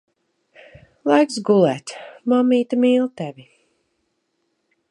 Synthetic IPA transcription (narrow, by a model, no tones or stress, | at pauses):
lˠajksɡulˠɛːt̪mamːiːt̪amiːlˠt̪ɛvʲi